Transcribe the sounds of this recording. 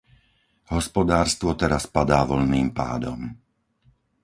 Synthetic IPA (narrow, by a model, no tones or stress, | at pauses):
ɦɔspɔd̪aːɾst̪ʋɔt̪ɛɾaspad̪aːʋɔʎniːmpa̰ːd̪ɔm